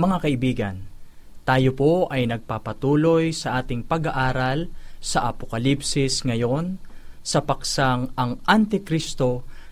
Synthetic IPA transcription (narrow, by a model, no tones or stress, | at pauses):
mɐŋakɐʔɪbiːɡɐ̰n | t̪aːjopo̞ʔɐjnɐɡ̚papɐt̪uːlo̞jsɐʔaːt̪ɪŋpɐɡaʔaːɾɐlsɐʔɐpokɐlipsɪsŋɐjo̞nsɐpɐksaŋɐŋʔant̪ɪkɾist̪o̞